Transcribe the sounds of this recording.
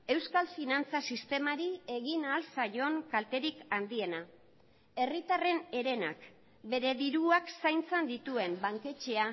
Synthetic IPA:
e̞wskalfinant͡sasist̪e̞maɾie̞ɣinaːlsaʝo̞ŋkalt̪e̞ɾikand̪ie̞na | e̞rit̪are̞ne̞ɾe̞na̰k | be̞ɾe̞ðiɾuaksajnt͡send̪it̪ue̞mbaŋke̞t͡ʃe̞a

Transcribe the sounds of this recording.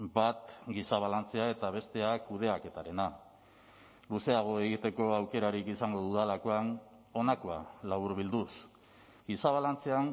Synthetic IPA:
bat̪ɡisaβ̞alant͡se̞ae̞t̪aβ̞e̞st̪e̞akuð̞e̞aket̪aɾe̞na | luse̞aɣ̞o̞e̞ɣit̪e̞ko̞awke̞ɾaɾikisaŋɡo̞ðuðalako̞an | o̞nako̞a̰laβuɾβild̪us | ɡisaβ̞alant͡se̞aŋ

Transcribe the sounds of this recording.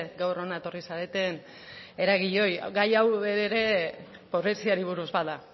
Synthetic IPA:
ɡawro̞naet̪o̞risaɾet̪e̞n | e̞ɾaɣ̞iʎo̞j̰ɡajawe̞ɾeɾe̞ | po̞ɾesiaɾiβ̞uɾuzβaa

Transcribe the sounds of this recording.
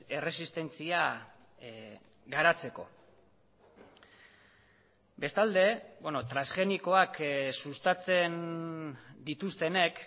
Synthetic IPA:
e̞re̞sist̪e̞nt͡sia | ɣaɾat͡se̞ko̞̰ | be̞st̪ald̪e̞benot̪ɾasxe̞niko̞aksust̪at͡se̞n | d̪it̪ust̪e̞ne̞k

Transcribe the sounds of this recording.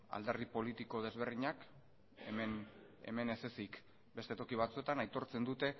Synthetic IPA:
a̰ld̪erðipo̞lit̪iko̞ð̞e̞zβ̞e̞rðiɲak | emen | e̞̰me̞ne̞se̞sik | be̞st̪e̞t̪o̞kiβ̞at͡sue̞t̪anajt̪o̞ɾt͡se̞nd̪ut̪e̞

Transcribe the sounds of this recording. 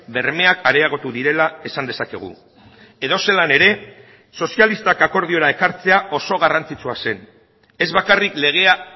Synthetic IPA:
be̞ɾme̞akaɾeaɣ̞o̞t̪uðiɾe̞lae̞sand̪esake̞ɣ̞ṵ | e̞ðo̞se̞lane̞ɾe̞ | so̞sialist̪akako̞ɾðio̞ɾae̞kaɾt͡se̞aʔo̞so̞ɣ̞arant͡sit͡suase̞n | e̞zβakarikle̞ɣ̞e̞a

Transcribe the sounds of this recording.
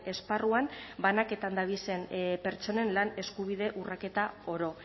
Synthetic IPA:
e̞sparuambanake̞t̪and̪aβ̞ise̞npe̞ɾt͡ʃo̞ne̞nlane̞skuβ̞ið̞e̞ʔurake̞t̪ao̞ɾo̞

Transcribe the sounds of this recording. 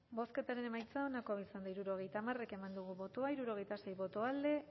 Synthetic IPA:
bo̞ske̞t̪aɾe̞ne̞majt͡sao̞nako̞βisand̪aiɾuɾo̞ɣ̞e̞jt̪amare̞ke̞mand̪uɣ̞uβo̞t̪oaiɾuɾo̞ɣ̞e̞jt̪ase̞jβo̞t̪oald̪e̞

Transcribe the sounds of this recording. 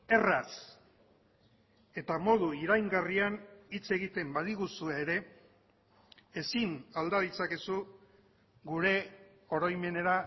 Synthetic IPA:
e̞ras | e̞t̪amo̞ð̞uiɾajŋɡarianit͡se̞ɣit̪e̞mbaðiɣusueːɾe̞ | esinald̪aðit͡sake̞su | ɡuɾe̞ | o̞ɾojme̞ne̞ɾa

